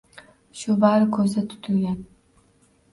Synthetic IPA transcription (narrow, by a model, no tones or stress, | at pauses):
ʃʊbaɾɨkʰɵzd̪at̪ʰʊ̥t̪ʰʊlɡʲan